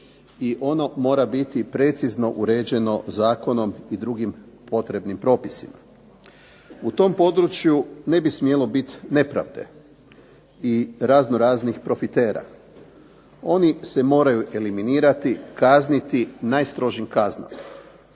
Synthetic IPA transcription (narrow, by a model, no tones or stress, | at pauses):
iʔo̞no̞mo̞ːɾabit̪ipɾe̞t̪sizno̞ʔuɾe̞ːd͡ʑe̞no̞zaːko̞no̞mid̪ɾuɡimpo̞t̪ɾe̞bnimpɾo̞ːpisima̰ | ut̪o̞mpo̞d̪ɾut͡ʃjune̞bismje̞lo̞bit̪ne̞pɾa̰ʋd̪e̞̰ | iɾaznoɾaːznixpɾo̞fit̪e̞ːɾa̰ | o̞nise̞mo̞ːɾajuʔe̞liminiːɾat̪ikaznit̪inaːjst̪ɾo̞ʒimkazna̰m